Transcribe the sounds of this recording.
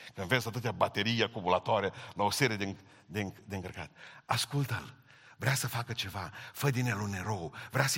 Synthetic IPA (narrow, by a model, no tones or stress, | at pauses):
kə̃ɱvet͡ʃd̪at̪ot̪ʲabat̪eɾiakubulat̪ɔɾjəlowseɾed̪e | d̪eŋd̪eŋkəɾka̰t̪̚askult̪əl | vɾeasəfakət͡ʃevafəd̪ineluneɾowvɾeas